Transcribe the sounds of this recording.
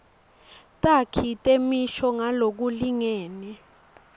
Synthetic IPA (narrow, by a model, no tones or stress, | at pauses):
tʼakʰitʼemiʃɔŋalok̬uliŋɛːnɛ